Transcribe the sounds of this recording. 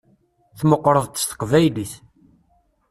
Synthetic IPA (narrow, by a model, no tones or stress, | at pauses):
θməqːɾˤəðˤt̪ə̥st̪ə̥qvæjliθ